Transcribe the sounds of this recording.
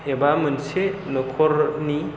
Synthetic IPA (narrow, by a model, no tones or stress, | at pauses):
ebamɯnsenɔkʰɔɾni